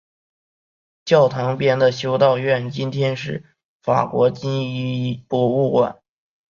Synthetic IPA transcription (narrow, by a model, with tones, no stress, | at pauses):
t͡ɕjɑ˥˩ʊt̪ʰɑ˧˥ŋpjɛ˥˩nd̪ə˨ɕjo˥ʊt̪ɑ˥˧ʊɥɛ˥˩nt͡ɕi˥nt̪ʰjɛ˥nʂɻ̩˥˩ | fa̰˨˩kwɔ˧˥t͡ɕi˥ŋi˥˩pɔ˧˥˩u˥˩kwa̰˨˩˦n